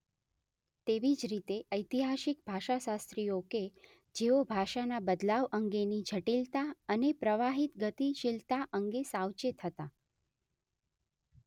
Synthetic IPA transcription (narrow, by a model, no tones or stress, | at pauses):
t̪eʋid͡ʒɾit̪eʔəjt̪iɦaʃikbʱaʃaʃast̪ɾijoke | d͡ʒeobʱaʃanabəd̪laʋəŋɡenid͡ʒʱəʈilt̪aənepɾəʋaɦit̪ɡət̪iʃɪlt̪aʔəŋɡesawt͡ʃet̪ʰət̪a